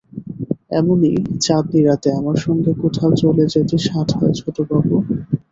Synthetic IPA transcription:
ɛ̰monit͡ɕat̪̚niɾat̪eamaɾʃɔŋɡekoʈʰalt͡ɕoled͡ʑetiʃatɦɔed͡ʑʰoʈobabo

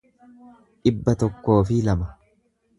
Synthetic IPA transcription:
ᶑɪbːɐt̪ɔkːo̞ːfɪlɐmɐ

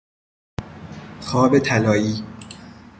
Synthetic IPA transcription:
xɒːbet̪ʰælɒːjiː

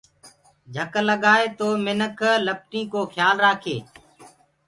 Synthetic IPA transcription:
d͡ʒʱəkləɠaːeːt̪oːmɪnəkləp̚ʈĩːkoːxʰjaːlɾaːkʰeː

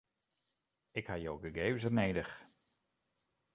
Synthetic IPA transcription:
ɪkhajowɡəɡeːzərneːdəx

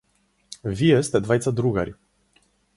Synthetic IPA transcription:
vʲijɛst̪ɛd̪vajt̪sad̪ɾuɡa̰ɾʲ

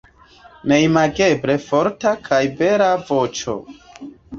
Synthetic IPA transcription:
me̞jmaɡe̞bɾe̞fo̞ɾtakʰajbe̞ɾavot͡ʃo̞̰

